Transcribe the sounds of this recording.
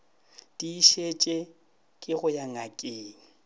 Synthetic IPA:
d̥iːʃet͡ʃʼe | kʼɪɣʊjaŋakʼeːŋ̩

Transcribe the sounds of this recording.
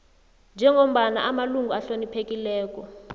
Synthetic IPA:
nd͡ʒʱɛŋom̩ɓana̰ʔamaluŋɡʱuaɬonipʰek̬ʼilɛːk̬ʼɔ

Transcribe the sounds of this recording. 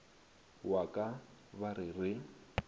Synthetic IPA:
wakʼa | baɾɪrɪ

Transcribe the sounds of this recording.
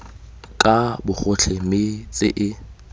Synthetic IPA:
kʼabʊχʊɬʰɪmɪt͡sʼɪ̰ʔɪ

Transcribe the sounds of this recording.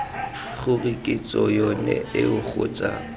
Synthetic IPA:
χʊrikʼɪt͡sʼɔjɔnɛɪʊχʊːt͡sʼa

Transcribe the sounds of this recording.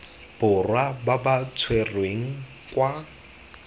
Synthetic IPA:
b̥ʊrwababat͡sʰwerweŋ̩ | kwa

